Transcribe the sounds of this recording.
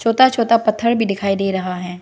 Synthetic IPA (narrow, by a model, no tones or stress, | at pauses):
t͡ʃʰoːt̪at͡ʃʰoːt̪apɐt̪ʰːəɽbʱid̪ɪkʰaːid̪eːɾɐɦaɦɛː